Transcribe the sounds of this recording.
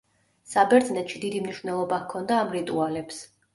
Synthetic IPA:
sabɛɾd̪znɛt̪ʃid̪id̪imniʃvnɛlˠɔbakʰɔnd̪aːmɾit̪ʼualɛps

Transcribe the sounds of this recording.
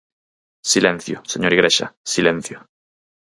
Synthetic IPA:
silẽn̟θjoseɲoɾiɣɾeʃa̰silẽn̟θjo

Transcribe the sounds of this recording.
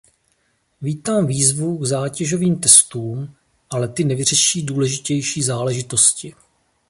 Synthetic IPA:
viːt̪aːmviːzvuɡzaːcɛʒo̞viːmt̪ɛst̪uːm | ʔalɛt̪ɪnɛvɪr̝ɛʃiːduːlɛʒɪcɛjʃiːzaːlɛʒɪt̪o̞scɪ

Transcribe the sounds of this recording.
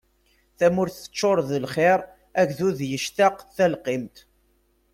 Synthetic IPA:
θæmʊɾθə̥t͡ʃːoɾˤðəlχeɾˤ | æʝðuðjəʃt̪aqθælqɪmt̪

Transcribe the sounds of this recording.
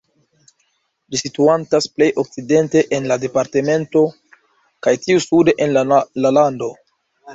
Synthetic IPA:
lisituantasple̞jʔo̞k̚t͡side̞nte̞ʔenlade̞paɾte̞me̞nto̞ | kajtiusude̞ʔenllalando̞

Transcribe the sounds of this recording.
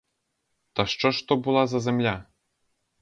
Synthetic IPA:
t̪aʂt͡ʂɔʂt̪ɔbulˠazɐzʲɛmlʲa

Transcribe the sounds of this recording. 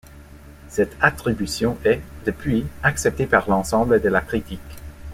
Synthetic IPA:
sɛt̪at̪χibysjɔ̃ʔɛd̪̥əpʰɥiaksɛp̚t̪epaʁlɑ̃sɑ̃bləd̪əlakχit̪ik

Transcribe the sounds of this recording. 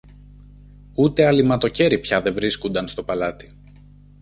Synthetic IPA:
ut̪e̞ɐlimɐt̪o̞ce̞ɾipçɐðe̞vɾiskund̪ɐnst̪o̞pɐlɐt̪i̥

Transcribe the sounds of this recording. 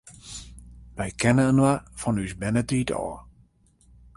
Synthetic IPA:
ʋɛjkʰɛnəənwafɔnysbɛnətiːtʰɔ̰ː

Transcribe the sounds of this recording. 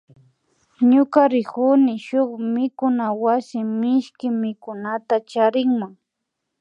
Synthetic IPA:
ɲʊkaɾɪkʊnɪʃʊχmɪkʊnawasɪmɪʃkɪmɪkʊnat̪at͡ʃaɾɪŋmaŋ

